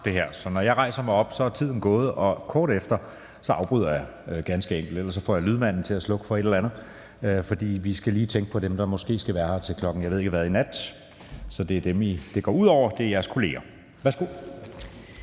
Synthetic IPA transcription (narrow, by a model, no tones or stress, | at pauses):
d̥e̝ɦæɐ̰sɒ̽nɒjɑɪʁɑ̈ɪsɐmɑ̈ɪɒ̽b̥sɒ̽æt͡sʰið̰ˠn̩ɡ̥ɔ̽ːð̞̩ˠʔɒ̽kʰɒːɾ̥efd̥ɐ | sɒ̽ɑ̈ʊb̥ʁyð̰ˠɐjɑ | ɡ̥ænsɡ̥əeŋ̰ɡ̥l̩d̥elɐsɒ̽fɒ̰ːjɑ̈lyð̞ˠmæn̰n̩t͡sʰe̝læslɔ̽ɡ̥ə̥fɒ̽eɾelænð̩ˠ | øfɒ̽d̥ḭːʋisɡ̥æliːt͡sʰeŋɡ̥əpʰɒ̽d̥emd̥ɑ̈mɒ̽sɡ̥e̝̰ːsɡ̥æʋæːɐhɑ̈t͡sʰe̝lkʰlɒ̽ɡ̥n̩jɑɪe̝ðˠeɡ̥əʋæðˠinæd̥ | sɒ̽d̥e̝æɐd̥emid̥e̝ɡ̥ɒ̰ːuð̰ˠɒʊ̰ɐd̥e̝æɐjæɐskʰo̝le̝̰ːɐ | ʋæɐsɡ̥o̝